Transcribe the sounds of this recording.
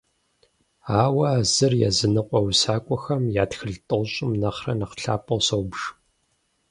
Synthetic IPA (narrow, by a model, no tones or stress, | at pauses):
aːwɐaːzɨrjɛ̰zɨnɨqʷʼɔwsaːkʷʼɔxɐmjaːtxɨɮtʼɨʁɕʼɪmnɐχrɐnɐqɬa̰ːpʼɐwsɐwbʂ